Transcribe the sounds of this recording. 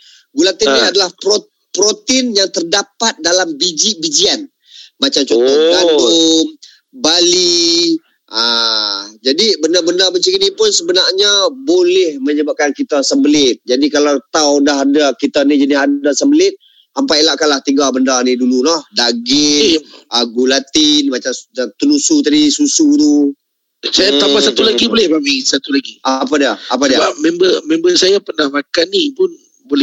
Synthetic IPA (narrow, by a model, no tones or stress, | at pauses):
ɡulaŋt̪inniadalahpo | pɾot̪ɪnjaŋt̪ərdapat̪̚dalambid͡ʒibid͡ʒian | mat͡ʃamt͡ʃot̪ɔɡadʊm | bali | a | d͡ʒadibəndabəndabəɲt͡ʃikinipʊnsəbənarɲabolɛhməɲəbap̚kankit̪asəmbəlɪt̪̚d͡ʒadikalawt̪awdaɦadakit̪anid͡ʒənɪɦadasəmbəlɪt̪̚ | ampailaʔkalaht̪iŋɡabəndanidululɔhdaɡɪaɡulat̪inmat͡ʃamt̪ənusut̪adisusud̪u | sajat̪ampasat̪ulaɡibolɛhbamisat̪ulaɡiapadiaap̬adiabap̚membəmembəsajapənahmakanːipʊn | bolɛ